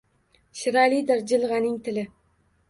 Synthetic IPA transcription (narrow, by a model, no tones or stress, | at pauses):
ʃɪɾalid̪ɪɾd͡ʒɪlˠʁɑnɪŋt̪ʰɪlɪ